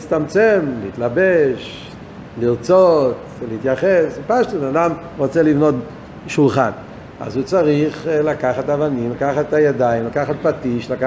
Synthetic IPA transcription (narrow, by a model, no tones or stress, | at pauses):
t͡st̪amt͡semleit̪labeʃ | liʁt͡sot | leit̪jaχesipaʃtunadam | ʁot͡selivno̞t | ʃulχa̰n | a̰zut͡saʁiχlakaχat̪avanimlakaχatajadaimlakaχat̚patiʃlaka